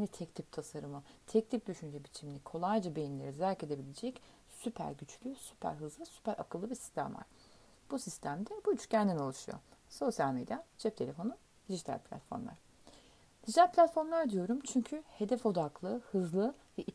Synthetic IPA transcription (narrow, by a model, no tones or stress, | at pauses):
nɛt̪ʰɛct̪ʰʲip̚t̪ʰasaɾɯmɯt̪ʰɛc̚lʰʲip̚d̪yʃynd͡ʒɛbit͡ʃʰiminikʰo̞lˠajd͡ʒabe̞jinlʲe̞ɾizæɾce̞d̪e̞bilʲed͡ʒɛc | sypʰæ̰ɾɟyt͡ʃlʲysypʰæ̰ɾɦɯzlˠɯsy̥pæɾʔa̰kɯlˠːɯbisi̥st̪ʰæ̰mva̰ɾ̥ | b̥usist̪ʰæmd̪ɛbuyt͡ʃcʰænd̪ino̞lˠuʃujo̰so̞sjalʲmḛd̪jad͡ʒʰɛp̚t̪ʰe̞lʲe̞fo̞nu | d̪̥iʒit̪ʰa̰lʲpʰlʲa̰t̪fo̞ɾmlˠa̰ɾ̥ | d̪̥iʒit̪ʰælʲpʰlʲat̪fo̞ɾmlˠaɾd̪ijo̞ɾumt͡ʃʰyɲcʰyhe̞d̪ɛfo̞d̪aklˠɯhɯzlˠɯvɛʔi